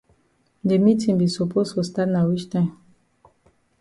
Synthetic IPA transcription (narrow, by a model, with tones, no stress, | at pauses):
de˨mi˦tʰĩ˨ŋbi˨so˨pʰo˦sfu˨sta˦tna˨wi˦t͡ʃtã˦m